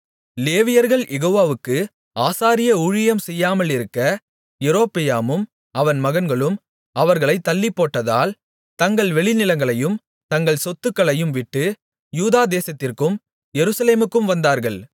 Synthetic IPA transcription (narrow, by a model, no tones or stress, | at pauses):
leːʋɪjɐɾɣɐɭʔɛɣoːʋaːʋɯkːɯ | aːsaːɾɪjɐʊɻɪjɐmsɛjːaːmɐɭɪɾɯkːɐ | jɛɾoːpːɪjaːmɯm | ɐʋɐnmɐɣɐnɡɐɭɯm | ɐʋɐɾɣɐɭɐɪt̪ːɐlːɪpːoːʈːɐða̰ːl | t̪ɐŋɡɐɭʋɛɭɪnɪlɐŋɡɐɭɐjɯm | t̪ɐŋɡɐɭsɔt̪ːɯkːɐɭɐjɯmʋɪʈːɯ | juːðaːd̪eːsɐt̪ːɪrkɯm | jɛɾɯsɐleːmɯkːɯmʋɐnd̪aːɾɣɐɭ